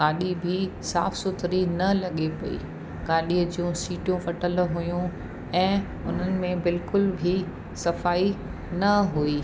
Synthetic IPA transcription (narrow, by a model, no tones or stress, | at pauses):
aːɗibʱisaːfsʊt̪ɾinɐlɐɠepɐḭ | ɡaːɗiːəd͡ʑijũsiːʈijũʋɐʈəlɦujũ | ɛ̃ː | ʊn̤ənɪ̆mẽbɪlkʊlbʱi | sɐfaːi | nɐɦuiː